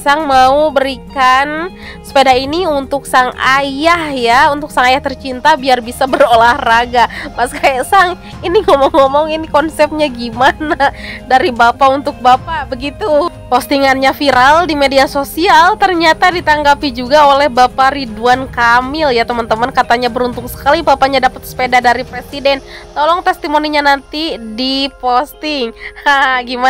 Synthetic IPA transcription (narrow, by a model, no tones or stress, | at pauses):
saŋmaubəɾikan | sə̥pedainiunt̪ʊk̚saŋajahjaunt̪ʊk̚saŋajaht̪ərt͡ʃint̪abiarbisabəɾolahraɡapaskajasaŋ | iniŋɔmɔŋɔmɔŋinikɔnsɛp̚ɲaɡimanadaɾibapaunt̪ʊk̚bapabəɡit̪u | post̪iŋanɲafiɾaldimediasosialt̪ərɲat̪adit̪aŋɡapid͡ʒuɡaolɛhbapaɾiduankamɪljat̪əmant̪əmənkat̪aɲabəɾunt̪ʊŋsə̥kalibapaɲadapət̪̚sə̥pedadaɾipɾesidɛnt̪olɔŋt̪ɛst̪imoniɲanant̪idipost̪ɪŋaɡima